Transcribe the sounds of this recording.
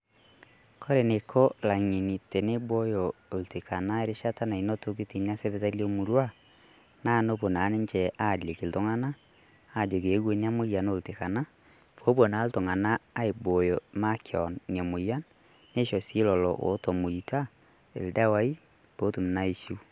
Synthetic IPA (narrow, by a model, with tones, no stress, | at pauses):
kʰo˦ɾe˨ne˨kʰo˦la˨ŋi˨ni˨te˨ne˦bo˦jo˨o˨lte˨ka˨na˦e˦ɾe˦ʃa˦ta˦na˨i˨no˦to˦k̬i˦ti˨n˦a˦se˦βe˨˦ta˦ljo˦mu˨ɾwa˦ | na˦˨no˦po˨na˨˦ne˦ɲt͡ʃɛ˨ʔa˦˨le˨ki˨lto˦ŋa˦naː˦˨ | d͡ʒo˨k̬e˨˦ɣwe˨˦nja˦mo˦ja˨no˦˨lte˨ka˨na˦ | fo˦bwo˨na˨˦lto˨ŋa˨naː˦e˨bo˨jo˨ma˦kʰjɔ̰˨nnja˨mo˨ja˦nː | e˦ʃɔ˨si˦lɔ˨lɔ̰˨wo̰˨˦to˨mo˨i˨ta˦ | ḛ˨lda˦wa˦i˦ | po˦tu˨m˨na˦i˨ʃu˦